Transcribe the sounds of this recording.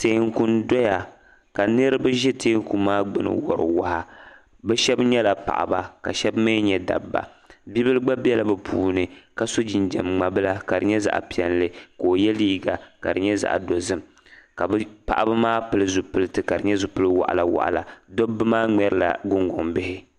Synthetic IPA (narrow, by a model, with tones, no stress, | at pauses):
te˨˦ŋku˦ndɔ˦ja˨ | ka˨nɨ˦ɾɨ˦bɨ˦ʒɛ˦teː˦ŋ˦ku˨maː˦ɡ͡bɨ˨nɨ̰˨wɔ˨ɾɨ̰˨wa˦ha˨ | bɛ˦ʃɛ˦bɲɛ˦la˨pa̰˨ʔa̰˨ba˨ka̰˨ʃɛ˦bma˦ɲɛ˨da̰˨bːa̰˨ | bi˦bɨ˦lɨ˦ɡ͡ba˦bɛ˦la˦bɛ˨pʰuː˦nɨ˨ka˨so˦d͡ʒi˨nd͡ʒɛ˨mŋ͡ma˨bɨ˦la˦ka˨dɨ˨ɲɛ˦za̰˨ʔpi˨ɛ˨llɨ˦koː˨jɛ˦liː˦ɡa˨ka̰˨dɨ˨ɲɛ˦za̰˨ʔdo˨zɨ˦m | ka˨bpa̰˨ʔa˨bɨ˦maː˦pɨ˨lɨ˦zʊ˨pɨ˦lɨ˦tɨ˨ka˨dɨ˨ɲɛ˦zʊ˨pɨ˦lɨ˦wa̰˨ʔa̰˨la˨wa̰˨ʔa̰˨la̰˨do˦bːɨ˦maː˦ŋ͡mɛ˦ɾɨ˨la̰˨ɡʊ˦ŋɡʊ˨ŋbɪ˦hɪ˦